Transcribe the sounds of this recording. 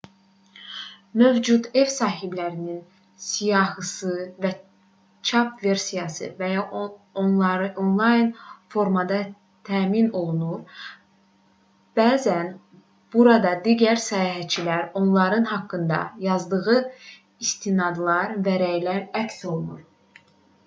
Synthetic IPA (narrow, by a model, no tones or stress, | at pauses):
mø̞vd͡ʒud̪e̞vsɑːɦiblæɾinin | sijɑɦɯsɯvæ | t͡ʃʰɑpve̞ɾsijɑsɯ̰væjɑonlˠɑɾɯʔonlˠɑjnfo̞ɾmɑd̪ɑ | t̪ʰæːmino̞lˠunuɾ | b̥æːzæn | b̥uɾɑd̪ɑd̪iːɟæɾsæjɑɦætt͡ʃʰilæɾo̞nlˠɑɾɯnɦɑkːɯnd̪ɑ̰jɑzd̪ɯɣɯ | ist̪ʰinɑd̪lˠɑɾvæɾæjlæɾækso̞lˠunuɾ